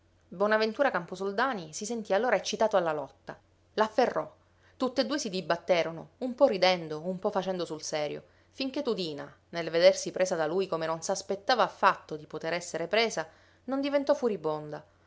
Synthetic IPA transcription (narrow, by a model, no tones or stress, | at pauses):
bwɔnavent̪uːɾakamposold̪aːnisisent̪ialːoːɾaet͡ʃːit̪aːt̪oalːalɔt̪ːa̰ | lafːerːɔ | t̪ut̪ːed̪ːuːesid̪ibat̪ːeːɾonoumpɔrid̪ɛnd̪oumpɔfːat͡ʃɛnd̪osulsɛːɾjo̰ | fiŋk̟et̪ːud̪iːna̰ | nelved̪ersipɾʔeːsad̪aluːjkomenonsaspet̪ːaːvaːfːat̪ːod̪ipot̪eɾɛsːeɾepɾeːza | nond̪ivent̪ɔfːuɾibond̪a